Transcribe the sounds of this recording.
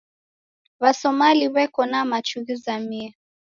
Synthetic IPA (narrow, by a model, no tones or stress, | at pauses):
βasɔmaliβɛkɔnamat͡ʃuɣizamiɛ